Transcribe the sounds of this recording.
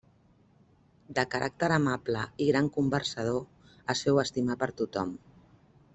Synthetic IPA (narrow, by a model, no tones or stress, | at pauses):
d̪əkəɾʔa̰k̚t̪əɾəmapləiɣɾaŋkumbəɾsəð̞o | əsɛwəst̪imapəɾt̪ut̪ɔm